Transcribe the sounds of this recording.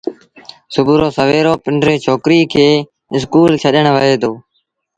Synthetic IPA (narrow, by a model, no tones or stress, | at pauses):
sʊbʱuːɾoːsəʋeːɾoːpɪɳɖɾeːt͡ʃʰoːkɾiːkʰeː | ɪskuːlt͡ʃʰəɗəɳ̃ʋəɦeːt̪oː